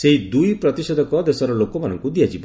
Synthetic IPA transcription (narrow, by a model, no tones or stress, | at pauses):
seɦid̪ujpɾɔt̪isɔd̪ɔkɔd̪esɔɾɔlokɔmanɔŋkud̪iat͡ʃʰib